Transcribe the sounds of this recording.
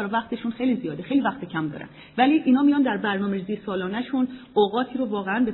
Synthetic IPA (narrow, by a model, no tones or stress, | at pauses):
æɾɒvæxt̪e̞ʃunxejlizijɒːd̪exe̞jlivæxt̪ecʰæmd̪ɒ̰ːɾæ̰n | væliːʔiːnhɒːmijɒnd̪æɾbæɾnɒːmeɾizijesɒːlɒːnæʃunoɣɒːt̪ʰiːɾovɒːɣeænbe